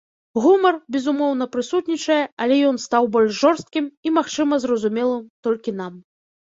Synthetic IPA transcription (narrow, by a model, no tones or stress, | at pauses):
ɣumɐrbʲɛzumɔwn̪ɐpɾɨsut̪nʲit͡ʂɐjɛɐlʲɛjɔnst̪awbɔlʲʂʐɔrst̪̚kʲimimaxt͡ʂɨmɐzrɐzumʲɛlˠɨmt̪ɔlʲkʲin̪am